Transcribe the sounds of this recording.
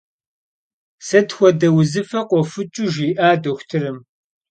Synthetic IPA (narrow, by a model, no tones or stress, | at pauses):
sɐtxʷɔdɐwzɨfɐqʷɔfɨt͡ʃʼuʒiːʔaːdoxʷtʰɨɾɨm